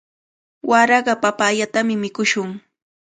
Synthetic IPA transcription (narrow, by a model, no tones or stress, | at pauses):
wʔaɾɑɢɑpapaːʎat̪amɪmɪkʊʃʊŋ